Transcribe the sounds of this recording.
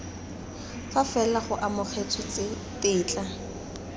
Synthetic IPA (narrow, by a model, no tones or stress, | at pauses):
fafɛlaχʊʔamʊχet͡sʰɔt͡sɪ | tɪːt͡ɬʼa